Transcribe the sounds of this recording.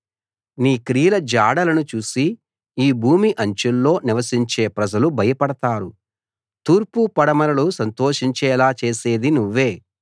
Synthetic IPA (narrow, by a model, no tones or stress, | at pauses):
niːkɾijlɐd͡ʒaːɽɐlɐnut͡ʃuːsiː | bʱuːmiʔɐɲt͡ʃulːo̞ːniʋɐsiɲt͡ʃe̞ːpɾɐd͡ʒɐlubʱɐjɐpɐɽɐt̪aːɾu | t̪uːɾpupɐɽɐmɐɾɐlusɐnt̪o̞ːʃiɲt͡ʃɛːlaːt͡ʃe̞ːse̞ːd̪inuʋːe̞ː